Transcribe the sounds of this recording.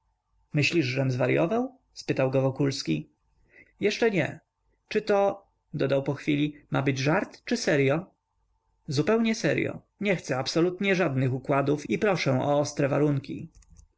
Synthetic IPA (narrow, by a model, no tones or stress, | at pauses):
mɘɕlʲiʐʐɛmzvaɾjɔvaw | spɘt̪awɡɔvɔkulskʲi | jɛʂt͡ʂɛɲɛ | t͡ʂɘt̪ɔ | d̪ɔd̪awpɔxfʲilʲimabɘd͡ʑʐaɾt̪t͡ʂɘsɛɾjɔ | zupɛwɲɛsɛɾjɔ̰ | ɲɛxt̪sɛapsɔlut̪ɲɛʐad̪nɘxukwad̪ufipɾɔʂɛ̃ɔ̰ɔst̪ɾɛvaɾuŋkʲḭ